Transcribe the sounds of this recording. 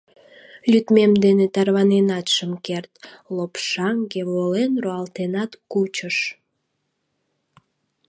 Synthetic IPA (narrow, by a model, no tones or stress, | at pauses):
lʲyt̪memd̪enet̪ɑrβɑnenɑt̪ʃəmkert̪lopʃɑŋɡeβolenroɑlt̪enɑt̪kut͡ɕəʃ